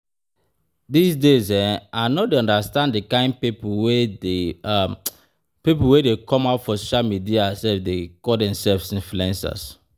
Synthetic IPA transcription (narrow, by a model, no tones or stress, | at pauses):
disdezɛ̃nanɔdeɔ̃ndastãndikãɪ̃n̚pipwe | pipulwedekʰɔ̃maʊtfɔsoʃalmidiasɛfdekɔdɛ̃msɛlvsĩnfluɛ̃nsa̰s